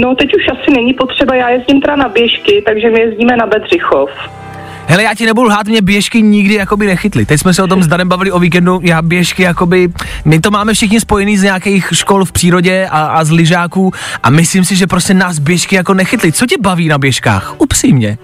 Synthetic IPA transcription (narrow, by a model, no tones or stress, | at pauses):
not̪ɛcuʃʔasɪnɛɲɪpot̪r̥ɛbajaːjɛzɟɪmt̪ɛdanabjɛʃkɪt̪aɡʒɛmɪjɛzɟiːmɛnabɛd̪r̝̥ɪxof | ɦɛlɛjaːcɪnɛbuduɦaːt̪mɲɛbjɛʃkɪɲɪɡdɪjako̞bɪnɛxɪt̪lɪt̪ɛcsmɛsɛot̪̬omzd̪aɾɛmbavɪlɪo̞viːk̬ɛndujaːbjɛʃkɪjako̞bɪmɪt̪o̞maːmɛfʃɪxɲɪspo̞jɛniːzɲɛakɛjxʃko̞lfpr̥iːɾoɟɛʔaʔazlɪʒaːkuːʔa̰mɪslimsɪʒɛpɾoscɛnaːs̬bjɛʃkɪjako̞nɛxɪt̪lɪt͡socɛbaviːnabjɛʃka̰ːxʔupr̥iːmɲɛ